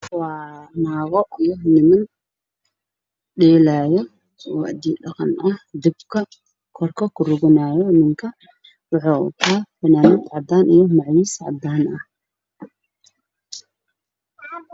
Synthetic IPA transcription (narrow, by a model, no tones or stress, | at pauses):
wɑːnaːɣɔʔijɔnɪmɐn | ɖɛːlaːjɔ | wɑʔd̪iːɖɑqɑnʔɐhd̪ɪbkʰɐ | kʰɔrkʰɐkʰʊrʊɣɪnaːjɔnɪŋkʰɐ | wʊħoʊ̰t̪ʰaːfɐnaːmɪt̪ʕɑd̪aːnʔijɔmɑʕjiːsʕɑ̰d̪aːnɐh